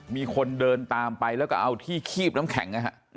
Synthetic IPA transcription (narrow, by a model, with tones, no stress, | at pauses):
miː˧kʰo˧ndɤː˧nt̪aː˧mpa˧jlɛ˦˥wkɔ˥˩ʔa˧wt̪ʰiː˥˩kʰiː˥˩p̚na˦˥mkʰɛ̰˩˦ŋʔa˧ɦa˦˥ʔ